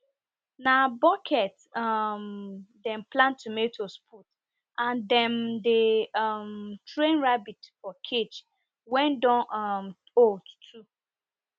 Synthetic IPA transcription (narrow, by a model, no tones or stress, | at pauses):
nabɔkʰɛt | mdɛ̃nplãntumetʰospʰut | ãndɛ̃ndemtɹẽnɹabitfɔkʰet͡ʃ | wɛ̃ndɔ̃nm | otʰu